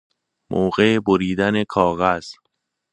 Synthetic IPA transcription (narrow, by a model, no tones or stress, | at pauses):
mʔoːɣe̞boɾiːd̪ænekʰɒːɣæz̥